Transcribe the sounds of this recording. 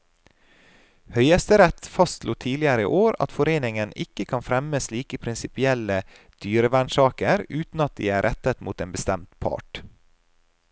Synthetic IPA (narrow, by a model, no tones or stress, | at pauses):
hœʏəst̪əɾɛt̪fɑst̪luːt̪ʰiːlɪəɾə̰ʔoːɾɑ̰t̪fɔɾeːnɪŋənɪkəkʰɑnfɾɛməsliːkəpʰɾɪnsɪpɪɛlə | d̪̥yːɾəʋæɳʃɑːkəɾʉːt̪n̩ɑt̪̚d̪ḭːæːɾʔɛt̪ət̪muːt̪eːnbəst̪ɛmt̪pʰɑ̰ːʈ